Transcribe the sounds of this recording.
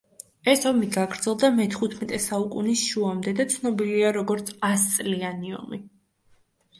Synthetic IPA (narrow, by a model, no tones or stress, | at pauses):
ɛsɔmiɡaɡɾd̪zɛlˠd̪amɛt̪ʰχut̪ʰmɛt̪ʼɛsaukʼunisʃuamd̪ɛd̪at̪sʰnɔbiliaɾɔɡɔɾt̪sʰast̪sʼlianiɔ̰mi